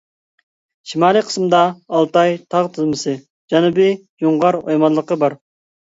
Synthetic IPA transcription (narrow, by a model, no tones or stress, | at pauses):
ʃimɑːlˠɨjqʰə̥smd̪ɑːlˠt̪ɑjt̪ʰɑʁt̪ʰɨzmɨsɨ | d͡ʒɑnubi | juɴʁɑɾojmɑlˠːəqəbɑɾ